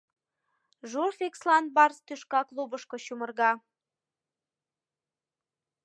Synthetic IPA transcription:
ʒurfekslɑnbɑrst̪yʃkɑklubəʃkoɕumərɣɑ

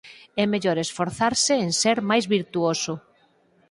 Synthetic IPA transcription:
ɛmeʎoɾesfoɾθaɾsɪenseɾmajzβiɾt̪uosʊ

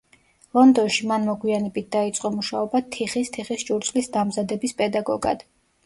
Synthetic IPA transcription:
lˠɔnd̪ɔnʃimanmɔɡwianɛbit̪̚ʰd̪ait̪sʼqʼɔmuʃaɔbat̪ʰiχist̪ʰiχist͡ʃʼuɾt̪sʼlisd̪amzad̪ɛbispʼɛd̪aɡɔɡa̰d̪̥

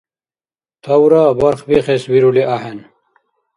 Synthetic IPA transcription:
t̪ʰɐwɾabɐɾχwixeswiɾuliʔahen

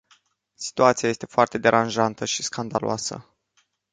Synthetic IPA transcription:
si̥t̪uat̪siajest̪e̞foart̪e̞d̪e̞ɾʔanʒant̪əʃiskand̪alo̰asə̰

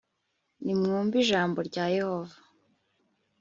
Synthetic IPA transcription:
nimŋuːmbiʒaːmbo̞ɾɟaːje̞ho̞va

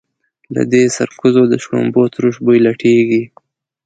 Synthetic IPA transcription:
la̰d̪esaɾkuzod̪əʃko̰mbot̪ɾuʃbojlaʈʰeɡi

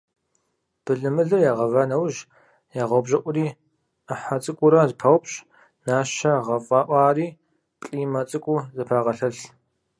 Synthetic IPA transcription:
b̥ɨɮɨmɨɮɐjaːʁɐvɐnɐwʒ | jaːʁɐwbʑɐʔʷʊɾiː | əħat͡sʼɨkʷʼʊɾɐzpʰɐwpʼɕ | naːʃɐʁɐfʼɑːʔʷɑːriː | pʼɬʼiːmɐt͡sʼɨkʷʼuzɨpʰaːʁɐɬɐɬ

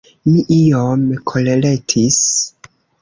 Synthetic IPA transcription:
miʔiomkʰoleletʰis

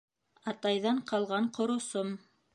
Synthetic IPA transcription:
ɑt̪ɑjðɑɴqɑlˠʁɑɴqŏɾŏsom

